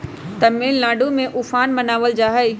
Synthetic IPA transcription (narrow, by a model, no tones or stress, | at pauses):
t̪ɐmːiːlnaːɖumẽʔʊfaːnmɐnaːʋəld͡ʑaːɦə